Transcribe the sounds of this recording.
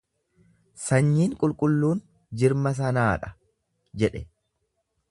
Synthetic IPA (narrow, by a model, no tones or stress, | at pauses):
sɐɲːiːŋkʼʊlkʼʊlːuːn | d͡ʒɪɾmɐs̬ɐnaːᶑɐ̥ | d͡ʒɛᶑɛ